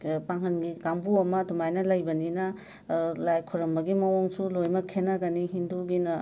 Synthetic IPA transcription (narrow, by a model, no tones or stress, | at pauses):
paŋɦɐnɡikambuɐmɐdumajnɐlɐjbɐninɐ | lajkʰuɾɐmbɐɡimɐwoŋsulojmɐkʰːenɐɡɐniɦinduɡinɐ